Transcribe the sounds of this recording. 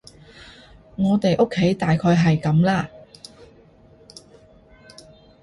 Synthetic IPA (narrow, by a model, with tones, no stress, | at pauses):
ŋɔː˨˧t̪e˨jʔo˥kʰːe˨˥jt̪aː˨jkʰɔː˧jɦɐ˨jkɐ˨˥mlaː˥